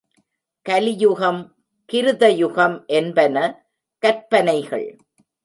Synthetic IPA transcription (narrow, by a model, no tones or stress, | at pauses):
kɐlɪjʊɣɐm | kɪɾɯðɐjʊɣɐmʔɛnbɐnɐ | kɐɾpɐnɐɪɣɐ̰ɭ